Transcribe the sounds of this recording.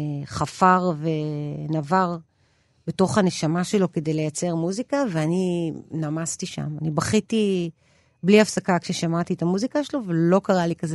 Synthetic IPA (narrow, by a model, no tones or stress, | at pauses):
χafaʁve̞navaʁ | beto̞χhaneʃamaʃe̞lo̞ke̞d̪ejle̞jat͡se̞ʁmuzikaveaninamastiʃa̰manibaχiti | bliafsakakʃeʃamat̪iet̪amuzikaʃelovelo̞kaʁalikaze